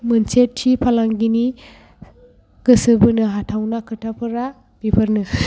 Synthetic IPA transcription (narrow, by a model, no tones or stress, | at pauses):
mɯnsetʰːipʰalaŋɡini | ɡ̥ɯsɯbɯnɯɦatʰawnakʰɯtʰapʰɯɾa | b̥ipʰɐɾnɯ